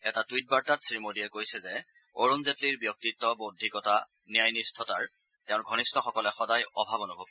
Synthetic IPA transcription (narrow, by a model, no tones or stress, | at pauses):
ɛtatwit̚baɹtatsɹimodijɛkojsɛzɛ | oɹonzetliɹbjɔk̚titːɔbodʱikɔta | nijajnistʰɔtaɹ | tɛʊ̃nɡʱɔnistʰɔxɔkɔlɛxɔdajɔ̰bʱabɔnubʱɔb